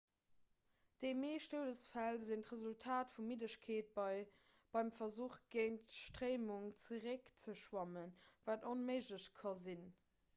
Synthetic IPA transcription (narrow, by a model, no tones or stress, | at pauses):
d̥emeːʃtoːdəsfælzintʁəzultʰaːtfumidəɕkʰeːt̚bɪ | b̥ɑɪmfɐzuːχɡ̥əɪntʃtʁeɪmuŋt͡səʁɛkt͡səʃwɑmənvaːtonməɪʒləɕkʰɑzin